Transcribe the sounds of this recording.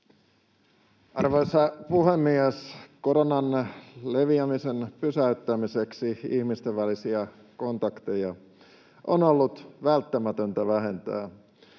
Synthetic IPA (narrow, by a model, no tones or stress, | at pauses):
ʔɑrʋosɑpuhemːiæskoɾonɑnleʋiæmisenpysæyt̪ːæmise̞ksiihmist̪eʋʋælisiæ | ko̞nt̪ɑkt̪ejɑ | ʔonolːut̪ʋælt̪ːæmæt̪ønt̪æʋæɦe̞nt̪æ̰ː